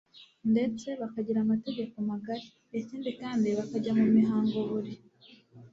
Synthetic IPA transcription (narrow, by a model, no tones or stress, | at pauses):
nde̞t͡se̞βakaɟiɾamate̞ɟe̞komaɡaɾi | eciːndikaːndiβakaɟamumiɦaːŋɡoβuɾi